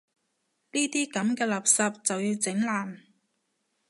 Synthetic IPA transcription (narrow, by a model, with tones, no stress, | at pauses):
niː˥t̪iː˥kɐ˨˥mkɛː˧lɐ˨p̚sɐ˨p̚t͡sɐ˨wjiː˧wt͡sɪ˨˥ŋlaː˨˩m